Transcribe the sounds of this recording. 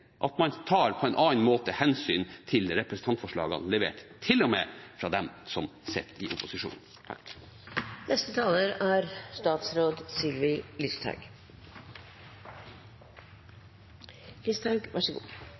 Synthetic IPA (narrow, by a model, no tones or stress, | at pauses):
ʔɑt̪mɑnt̪ʰɑːɾpʰɔɛnʔɑːnmoːt̪əhɛnsyːnt̪ʰɪlɾɛpɾəsn̩t̪ʰɑnt̪fɔʂɭɑ̰ːɡɑ̰nlɛʋḛːʈt̪ʰɪlɔmefɾɑːd̪ɛmsɔmsɛt̪ʰːɪʔʊpʊsɪʂṵːnn̩ | t̪ʰɑ̰k | nʔɛst̪ət̪ʰɑːləɾæːɾst̪ɑːt̪sɾoːd̪sɪlʋɪlʏst̪ʰɑ̰ɡ | lɪst̪ʰɑɡʋæʂəɡṵː